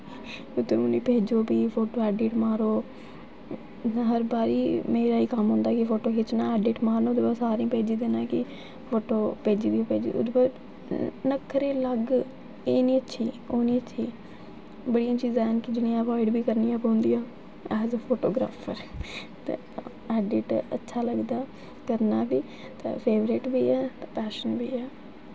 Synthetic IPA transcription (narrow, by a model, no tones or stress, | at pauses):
ʊd̪eːʊnĩːpeːd͡ʒoːbiːpʰoːʈoːɛːɖeːʈmaːɾoː | ɦəɾbaːɾiːmeːɾaːiːkəmɦʊ̃nd̪aːkɪfʰoːʈoːkʰet͡ʃnãːɛːɖeːʈmaːɾnõːd̪basaːɾĩːpeːd͡ʒiːd̪eːnãːkɪ | pʰoːʈoːpeːd͡ʒiːd̪iːãːpeːd͡ʒḭːʊ̰d̪bə | nəkʰːəɾeːləɡ | eːnĩːətːʃʰiː | oːnĩːətːʃʰiː | bəɽiãːt͡ʃiːzɛːnkid͡ʒɪnĩːãːpaːɪɖbʱiːkəɾnĩːaːpɦʊ̃nd̪iːaː | ɛːzpʰoːʈoːɡɾa̰ːpʰəɾt̪ḛ | ɛːɖɪʈə̰tːʃʰaːləɡd̪aː | kəɾnaːbʱiː | t̪ã̰ːpʰeːʋɾɪʈbʱiːɛːt̪aːpɛːʃənbʱiːɛː